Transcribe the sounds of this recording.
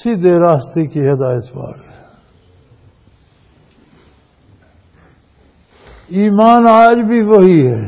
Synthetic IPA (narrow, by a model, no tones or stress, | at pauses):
sid̪eːɾaːst̪ikiɦɐd̪aːjɪt̪ba̰ːɾɦɛː | iːmaːnaːd͡ʒbʱiʋɐɦiɦɛː